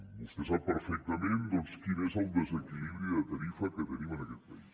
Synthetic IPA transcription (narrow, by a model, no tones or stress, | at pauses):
bust̪esaβpeɾfek̚t̪amẽnd̪onskinesod̪esekiliβɾjuiðet̪aɾifaket̪enimenaket̪̚pais